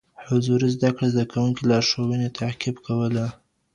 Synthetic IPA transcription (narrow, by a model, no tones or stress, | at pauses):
hʊzuɾizd̪akɽezd̪akawuŋkilɑʃowənet̪ʰaqibkawəla